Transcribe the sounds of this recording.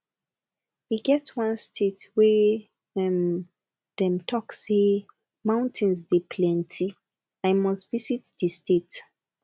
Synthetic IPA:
wiɡɛtwãnstʰetwɛ | ɛ̃m | ðɛ̃mtʰɔkse | mãʊ̃ntʰĩnzdepʰlɛ̃ntʰi | aɪmɔstvisitdistʰet

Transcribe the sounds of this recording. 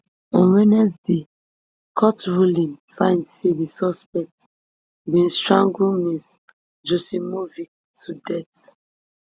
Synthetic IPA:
ɔ̃nwɛnɛsde | kʰɔtɹulĩnfãɪ̃ndsedisɔspɛk̚t | bĩnstɹãŋɡunis | d͡ʒosimovi | tʰudɛt

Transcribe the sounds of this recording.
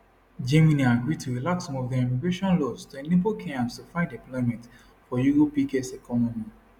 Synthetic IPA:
d͡ʒẽmĩnĩaɡɹitʰuɹilaksɔ̃mɔfdiɛmiɡɹeʃɔ̃nlɔstoenepokʰẽãmstufãɪ̃ndeplɔ̃ɪmĩt | fɔjuɹopikesɛkɔnɔmi

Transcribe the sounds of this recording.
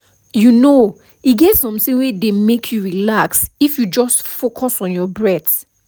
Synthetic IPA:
juno | iɡɛtsɔ̃msewedemekʰjuɹilaksifjud͡ʒɔstfokʰɔsɔ̃njɔbɹɛt

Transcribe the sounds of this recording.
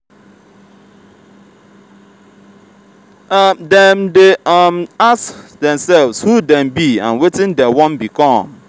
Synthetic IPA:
mdɛmdeamasdɛ̃msɛlvshudɛ̃mbiã̰nwetɪ̃ndɛwɔ̃nbikʰɔ̃m

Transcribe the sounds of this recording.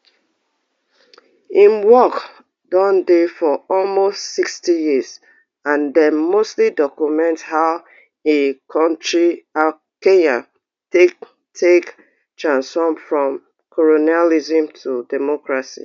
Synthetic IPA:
ĩnwɔk | dɔ̃ndefɔɔlmostsikstijiz | ãndɛnmostlidɔkjumɛ̃ntshaʊ | ekʰɔ̃ntɹia | kenãn | te | tʰek | tɹãnsfɔ̃mfɹɔ̃m | kʰɔlonializə̃mtʰudɛmɔkɹasḭ

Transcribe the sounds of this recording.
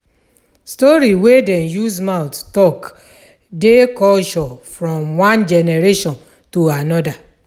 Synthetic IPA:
stɔɾiwedɛ̃njuzmaʊttɔk | dekɔlʃɔfɾɔ̃mwãnd͡ʒɛnɛɾeʃɔ̃n | tuanɔda

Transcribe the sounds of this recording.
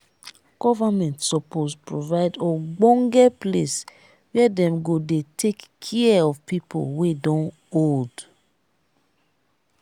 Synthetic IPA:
ɡ̥ɔvamɛ̃ntsɔpospɹovaɪdɔɡ͡bɔ̃ŋɡɛples | wɛdɛ̃mɡodetʰekːʰɛɔvpipʰo̰lwedɔ̃n | old

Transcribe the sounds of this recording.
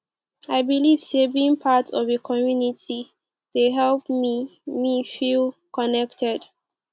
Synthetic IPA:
aɪbiliv̥sevĩŋpʰatɔvekʰɔmjuniti | d̥eɦɛlpmimifilkɔnɛktɛd

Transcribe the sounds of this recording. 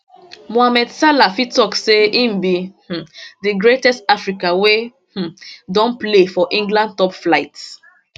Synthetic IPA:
moamɛdsalafitɔkseĩmbih̩diɡɹetɛstafɹikawe | h̩dɔ̃nplefɔʔĩŋɡlãndtɔpflaɪts

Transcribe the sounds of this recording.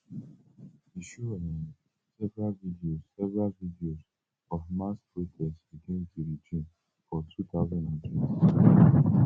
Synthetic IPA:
iʃuɛnĩ | sɛvɹalvidiozsɛvəɹalvidioz | ɔvmaspɹotʰɛstbiɡĩntuɾid͡ʒʰĩn | fɔtʰut̪ʰaʊzãndãntʰɛtʰi

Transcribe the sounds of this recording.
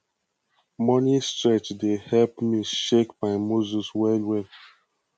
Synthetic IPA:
mɔnistɛt͡ʃdehɛlpmiʃekbaɪmoziswɛlwɛ

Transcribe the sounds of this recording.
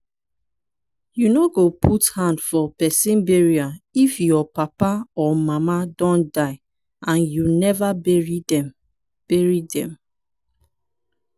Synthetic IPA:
junoɡopʰuthãndfɔpɛsĩnbɛɹiaifjɔpapaɔmamadɔ̃ndaɪ | ãnjunɛvabɛɹidɛm | b̥ɛɹidɛ̰̃m

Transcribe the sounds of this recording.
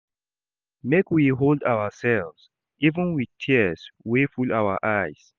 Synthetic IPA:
mekwiɦoldawəsɛlvs | ivə̃nwið̥tʰiswefulaʊwəʔajs

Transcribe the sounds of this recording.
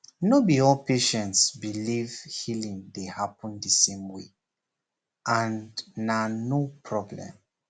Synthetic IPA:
nobiɔlpeʃɛ̃ntsbilivhilĩŋdehapə̃ndəsẽmwe | ʔãnnːanopʰɹɔblɛ̰̃m

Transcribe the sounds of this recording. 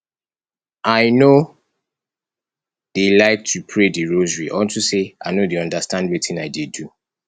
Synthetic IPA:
aɪno | d̥elaɪk̚tʰupʰɹediɹozɹiʔɔ̃ntusea̰ɪnodeɔ̃ndastãndwitĩnaɪdedu

